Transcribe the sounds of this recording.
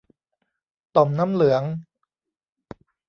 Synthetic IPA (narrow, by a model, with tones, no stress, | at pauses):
t̪o˨˩mnaː˦˥mlɯ˨˩˦əŋ